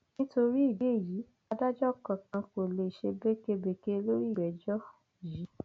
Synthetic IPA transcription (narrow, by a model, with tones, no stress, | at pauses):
nĩ˦to˧ɾi˦i˦˨be˦i˦˨ji˨˦ | a˧da˦d͡ʒɔ˦˨kã˨kã˧ko˨le˧i˨ʃe˧be˦ke˦˧be˨ke˦lo˦ɾi˦˨bɛ˨d͡ʒɔ˦˨ | ji˨˦